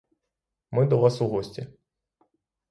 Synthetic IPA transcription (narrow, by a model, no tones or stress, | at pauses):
mɨd̪ɐvasuɣɔsʲt͡sʲɛ